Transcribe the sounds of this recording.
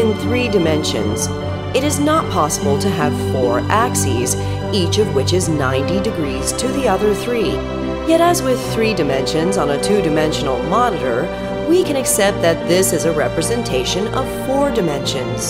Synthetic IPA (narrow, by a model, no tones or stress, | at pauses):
ɨ̃nθɹidɨmɛ̃nʃɨ̰̃nz | ɨɾɨznət̚pʰɑsəbl̩ˠtʰɨəv̥fɔɹʔæksiz | it͡ʃʌvwɪt͡ʃɨznãɪ̃ntidɨɡɹiz̥tʰɨðiʌðə˞θɹi | jɛɾəzwɪð̥θɹidɨmɛ̃nʃɨ̃nzn̩ɨtʰʉdɨmɛ̃nʃɨn̩l̩ˠmɑnɨɾə̰˞ | wikʰɨ̃ñɨksɛp̚t̪̚ðɨt̪̚ðɪsɨzɨɹɛpɹɨzɨ̃ntʰeɪʃɨ̃nʌ̰v̥fɔɹdɨmɛ̃nʃɨ̃nz̥